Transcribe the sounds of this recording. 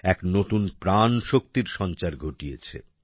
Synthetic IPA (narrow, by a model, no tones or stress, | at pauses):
ɛknot̪unpɾanʃok̚t̪iɾʃɔnt͡ɕaɾɡʱoʈijḛt͡ɕʰḛ